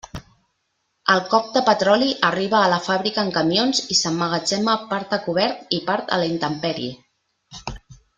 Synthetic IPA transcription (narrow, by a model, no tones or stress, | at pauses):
əlˠkɔp̚d̪əpət̪ɾɔliʔəriβəːləfaβɾikəːŋkəmjonzisəmːəɣəd͡ʒɛməpaɾt̪əkuβ̞ɛɾt̪ipaɾt̪ə̰lint̪əmpɛɾḭ